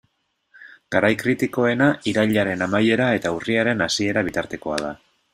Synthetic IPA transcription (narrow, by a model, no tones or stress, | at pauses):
ɡ̥aɾajkɾit̪iko̞e̞naiɾaʎaɾe̞namaje̞ɾae̞t̪auriaɾe̞nasie̞ɾaβit̪aɾt̪e̞ko̞a̰ð̞a